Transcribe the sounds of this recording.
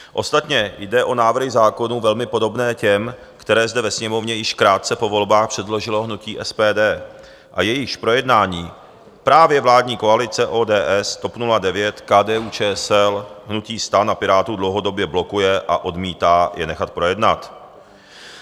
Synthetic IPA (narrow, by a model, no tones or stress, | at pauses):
ʔo̞st̪at̪ɲɛjdɛʔo̞naːvr̩ɦɪzaːko̞nuːvɛlmɪpo̞do̞bnɛːcɛm | kt̪ɛɾɛːzd̪ɛvɛsɲɛmo̞vɲɛjɪʃkɾaːt̪̚t͡sɛpo̞vo̞lbaːxpr̥ɛdlo̞ʒɪlo̞ɦnuciːʔɛspɛːdɛː | ʔajɛjɪʃpɾo̞jɛdnaːɲiː | pɾaːvjɛvlaːdɲiːko̞alɪt͡sɛʔoːdɛːʔɛst̪o̞pnuladɛvjɛt̪kaːdɛːuːt͡ʃɛːsɛlɦnuciːst̪anapɪɾaːt̪udlo̞wɦo̞do̞bjɛblo̞kujɛʔa̰ʔo̞dmiːt̪aːjɛnɛxat̪̚pɾo̞jɛdnat̪